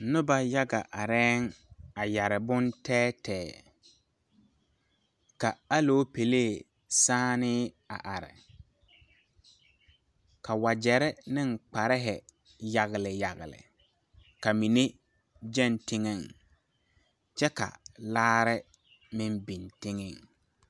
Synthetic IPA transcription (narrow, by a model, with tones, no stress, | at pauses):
nʊ˦ba˨ja˦ɡa˨ʔa˨ɾɛː˦ŋa˨ja˨ɾɪ˨bʊ˦ntɛː˦tɛː˨ | ka˨a˦lo˦pe˨leː˦˨ | saː˦nɪ˦ | a̰˨ʔa˨ɾɪ̰˨ | kʰa˨wa˨d͡ʒɛ˨ɾɪ˦nɪ˦ŋk͡pa˨ɾɪ˦ɦɪ˨ | ja˨ɣɪ˨lɪ˨ja˨ɣɪ̰˨lɪ̰˨ | ka˨mi˨ne˦ | d͡ʒɛ˦˨ntɪ˦ŋɛ˦˨ŋ | t͡ʃɛ˦ka̰˨laː˦ɾɪ˦ | mɪ˦nbi˨ntɪ˦ŋɛ˦˨ŋ